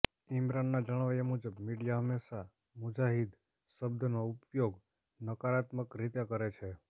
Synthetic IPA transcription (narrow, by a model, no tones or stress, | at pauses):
imɾanːad͡ʒəɽ̃ʋajəmud͡ʒəbmiɽijaɦəmːeʃa | mud͡ʒaɦid̪ | ʃəbd̪ʱənoupjoɡ | nəkaɾat̪məkɾit̪ekəɾet͡ʃʰe